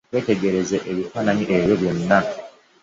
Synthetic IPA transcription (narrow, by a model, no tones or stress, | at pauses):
we̞ːte̞ɡe̞ɾe̞zeʔeβifaːnaɲiʔeɾjoβjo̞nːa